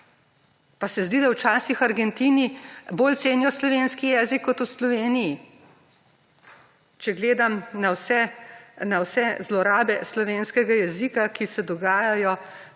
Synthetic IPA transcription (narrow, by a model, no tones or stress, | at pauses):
pasɛzd̪iːd̪awt͡ʃaːsixaɾɡɛnt̪iːniboːlt̪seːnjɔslɔʋeːnskijɛːzikːɔt̪uslɔʋeːniji | t͡ʃɛɡleːd̪amnawsɛnawsɛzlɔɾaːbɛslɔʋeːnskɛɡajɛzikakisɛd̪ɔɡaːjajɔ